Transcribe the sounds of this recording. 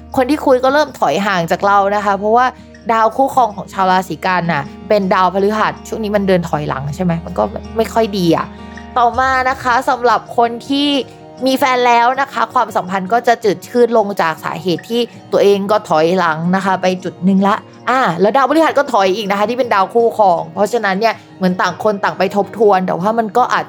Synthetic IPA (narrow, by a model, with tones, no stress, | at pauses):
kʰo˧nt̪ʰiː˥˩kʰu˧jkɔː˥˩ɾɤː˥˩mt̪ʰɔ˨˩˦jɦaː˨˩˦ŋt͡ɕaː˨˩k̚ɾa˧wna˦˥kʰa˦˥pʰɾɔ˦˥waː˥˩ | daː˧wkʰuː˦˥˩kʰɔː˧ŋkʰɔː˨˩˦ŋt͡ɕʰaː˧wɾaː˧siː˩˦kaː˧nʔa˨˩pe˧ndaː˧wpʰa˧li˦˥ɦa˨˩t̪̚t͡ɕʰu˥˩əŋniː˦˥ma˧ndɤː˧nt̪ʰɔ˩˦jla̰˩˦ŋt͡ɕʰa˥˩jma˦˥jma˧nkɔː˥˩bɛ˨˩p̚ma˥˩jkʰɔ˥˩jdiː˧ʔa̰˨˩ʔ | t̪ɔː˨˩maː˧na˦˥kʰa˦˥sa˨˩˦mɾa˨˩p̚kʰo˧nt̪ʰiː˥˩ | miː˧fɛː˧nlɛː˦˥wna˦˥kʰa˦˥kʰwaː˧msa˨˩˦mpʰa˧nkɔː˥˩t͡ɕa˨˩t͡ɕɯː˨˩t̪̚kʰɯː˥˩n̚lo˧ŋt͡ɕaː˨˩k̚sa̰ː˩˦ɦeː˨˩t̪ʰːiː˥˩ | t̪u˧ɐʔeː˧ŋkɔː˥˩t̪ʰɔ˩˦jla˩˦ŋna˦˥kʰa˦˥pa˧jt͡ɕu˨˩t̪̚nɯ˨˩ŋla˦˥ʔ | ʔaː˧˩lɛː˦˥wdaː˧wpʰa˧li˦˥ha˨˩t̪̚kɔː˥˩t̪ʰɔ˨˦jʔiː˨˩k̚na˦˥xa˦t̪ʰiː˥˩pe˧ndaː˧wkʰuː˥˩kʰɔː˧ŋpʰɔ˦˥t͡ɕʰa˧na˦˥nːi˥˩ɐ | mɯ˩˦nt̪aː˨˩ŋkʰo˧nt̪a˨˩ŋpa˧jt̪ʰo˦˥p̚t̪ʰu˧ənd̪ɛː˨˩waː˥˩ma˧nkɔː˥˩ʔa̰ː˨˩t̪̚